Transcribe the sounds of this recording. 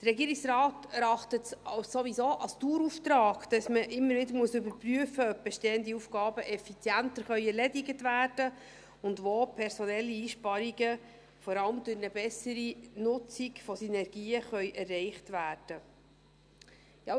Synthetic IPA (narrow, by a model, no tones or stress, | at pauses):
d̥ərɾɛɡiːɾiksrɑːtɛɾɑχtətɑwsoʋisoːʔɑlstuːɾuft̪ɾɑːɡd̥ɑsməʔɪmːəɾvɪdəɾmuəsʏbəɾpryəfəœp̚b̥ɛʃteːəndiufɡ̥ɑːbəʔɛfit͡sjæntəɾχœʏɛɾlɛdiɡətvæːd̥ə | ʊndʋoːpʰɛɾsɔnɛlːiiːʃpɑɾiɡə | fɔɾɑləmdʊɾnəbɛsəɾinʊt͡siɡfɔsinɛɾɡ̥iːəχœʏʔɛrːɛɪχtvæːrd̥ə | jɑ